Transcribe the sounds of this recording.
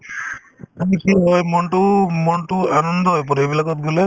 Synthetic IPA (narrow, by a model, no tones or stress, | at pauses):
amikiɦɔjmɔnʈumɔnʈuanɔnd̪ɔɦɔjpɔɾebilakɔt̪̚ɡule